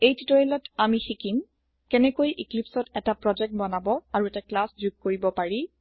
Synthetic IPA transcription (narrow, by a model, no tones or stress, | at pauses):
ejtitɔilɔtamixikim | kɛnɛkojʔiklipsɔtɛtapɹɔd͡ʒɛk̚t̚bɔnabɔaɹuɛtaklasd͡ʒuɡ̚koɹibɔpaɹi